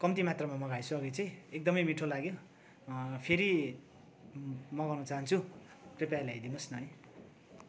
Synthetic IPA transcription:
kʌmt̪imat̪rʌmamʌɡajsʰuʌɡʌt͡sʌj̃ek̚d̪ʌmʌjmiʈʰolaɡjo | pʰeɾi | mʌɡʌrnʌt͡saɦant͡sʰu | prepalaɦʌjd̪inosnʌʌj

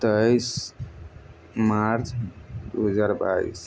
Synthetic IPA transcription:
t̪əjs | maɾd͡ʒd̪uɦəd͡ʒaɾba̰ḭs

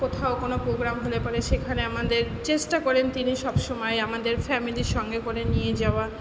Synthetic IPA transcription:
kot̪ʰaokonopɾoɡɾamɦolepaɾeʃekʰaneamad̪eɾ | t͡ɕeʃʈakɔɾent̪iniʃɔbʃomɔjamad̪eɾfɛmiliɾʃɔŋɡekoɾenijed͡ʑaoa

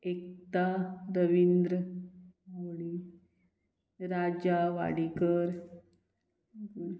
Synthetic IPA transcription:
ek̚t̪aɾəʋind̪ɾə | aʋɽi | ɾad͡ʑaʋa̰ɽikəɾ

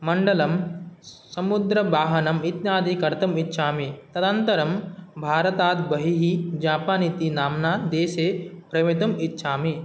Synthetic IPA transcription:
mɐɳɖɐlɐm | sɐmud̪ɾɐbaːɦɐnɐmit̪njaːd̪ʱikɐɾt̪ɐmitːʃʰaːmit̪ɐd̪ɐnt̪ɐɾɐmbʱaːɾɐt̪aːt̪bɐɦiɦid͡ʒaːpaːnit̪inaːmnaːd̪eːseːpɾɐjmit̪ɐmitːʃʰaːmi

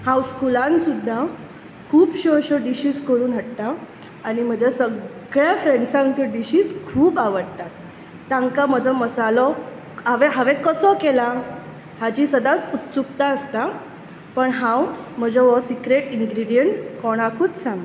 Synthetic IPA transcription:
hãwskulãnsud̪ʱːa | kʰuːbɕɔɕɔɖiɕiːskəɾuːnɦəɽt̪aː | ɽ̃im̤əd͡ʑasəɡɡɭjafɾeɳɖsãŋkt̪əɖiɕiːskʰuːpaʋəɽt̪at̪ː | ãŋkam̤əd͡zʱɔməsalɔ | ɦaʋɛɦaʋɛ̃kəsɔkela | had͡ʑiːsəd̪at͡sut̪t͡sukt̪aəst̪a | pəɳɦãwm̤əd͡ʑʱɔʋɔsikɾeʈiŋɡɾiɽijəɳʈkɔɽ̃akuːt͡ssãŋɡ

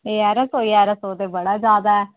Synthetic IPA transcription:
eːɛːɾəsoːiːɛːɾəsoːd̪eːbəɽaːd͡ʒaːd̪aːɛː

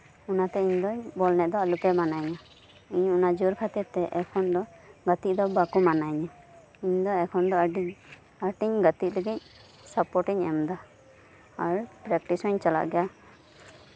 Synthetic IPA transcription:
unat̪ɛiɲd̪ɔbɔlnɛʔd̪ɔalupɛmanaɲa | iɲunad͡ʒuɾkʰat̪iɾt̪ɛʔɛkʰɔnd̪ɔɡət̪it̚d̪ɔbakumanaɲa | iɲd̪ɔɛkʰɔnd̪ɔi | aʈiɲɡət̪it̪̚ləɡic̚ | sapɔɾʈiɲɛmd̪a | aɾpɾɛk̚ʈisɔɲt͡ʃala̰ʔɡɛja

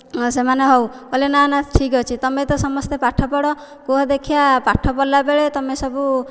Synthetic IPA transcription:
semaneɦɔw | kɔlenanaʈʰikɦɔt͡ʃʰit̪ɔmet̪ɔsɔmɔst̪epaʈʰɔpɔɽɔ | koɦɔd̪ekʰijapaʈʰːɔpɔlːabeɭet̪ɔmesɔbu

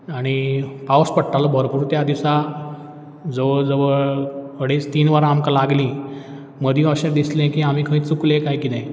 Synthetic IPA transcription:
aɽ̃ipawəspəɽʈalɔbʱəɾpuːɾt̪jad̪isa | d͡zəʋəd͡zəʋəɭəɽet͡st̪iːnʋəɾamkalaɡlĩ | məd̪ʱĩəɕeɾd̪islẽkiam̤ikʰə̃ĩt͡suklẽkajkit̪ɛ̃

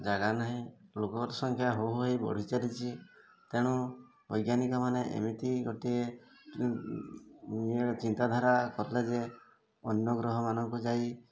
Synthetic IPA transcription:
d͡ʒaɡanaɦĩlokɔɾsɔŋkʰjaɦoɦejbɔ̰ɽ̤it͡ʃaɾit͡ʃʰi | t̪eɽ̃u | bɔjɡjanikɔmaneʔḛmit̪iɡoʈie | met͡ʃint̪ad̪ʱaɾakɔɾled͡ʒe | ɔnjɔɡɾɔɦɔmanɔŋkud͡ʒai

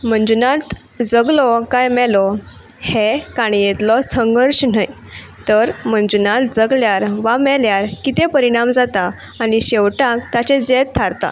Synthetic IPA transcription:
m̤ənd͡zunãt̪ | d͡zəɡlɔkajmɛlɔ | hekaɽ̃ijet̪lɔsəŋɡəɾɕnaj | t̪əɾmənd͡zunat̪d͡zəɡljaɾʋamɛljaɾkit̪ɛ̃pəɾiɽ̃amd͡zat̪aː | ñiɕɛʋʈakt̪at͡ɕɛ̃d͡zet̪t̪ʰːaɾt̪a̰

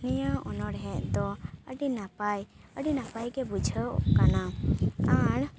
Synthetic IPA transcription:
nijəɔnɔɽɦɛʔd̪ɔəɖinapaj | əɖinapajɡɛbud͡ʒʱəʔkanaaɽ

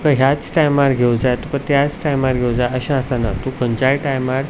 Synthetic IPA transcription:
kəɦjat͡sʈajmaɾɡʱewd͡zajt̪ukət̪jat͡sʈajmaɾɡʱewd͡zajəɕãast̪anat̪upəɲt͡ɕajʈajmaɾ

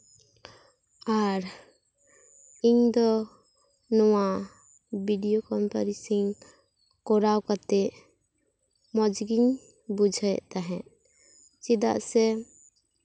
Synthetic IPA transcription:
aɾ | iɲd̪ɔ | nɔwa | biɖijokɔmpaɾisiɲ | kɔɾawkat̪ɛʔ | mɔd͡ʒɡiɲ | bud͡ʒʱəjʔt̪aɦɛ̃ | t͡ʃid̪a̰ʔsɛ

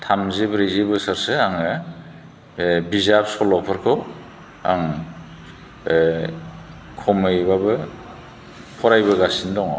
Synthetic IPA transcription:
tʰamzebɾezebɯsaɾsɯaŋɯ | bizap̚sɔlɔpʰɯɾkʰɯw | a̰ŋ | kʰɔmɯjbabɯ | pʰɔɾajbɯɡasindɔŋ̰

